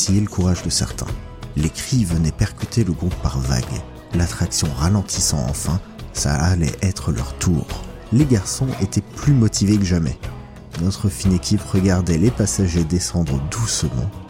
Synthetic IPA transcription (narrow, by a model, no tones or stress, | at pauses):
ijeləkuʁaʒd̪əsɛ̰ʁt̪ʰɛ̰̃ | lekχivənɛpɛʁkʲyt̪eləɡʁupːaʁva̰ɡ | lat̪χaksjɔ̃ʁalɑ̃t̪ʰisɑ̰̃ɑ̰̃fɛ̃sa̰ːlɛ̰ʔɛt̪χəlœ̰ʁt̪ʰuːʁ | leɡaʁsɔ̃ʔet̪ɛplymɔt̪ʰivekəʒamɛ̰ | nɔt̪χəfinekʲʰipʁəɡaʁd̪ɛlepasaʒed̪esɑ̃d̪ʁəd̪usəmɑ̰̃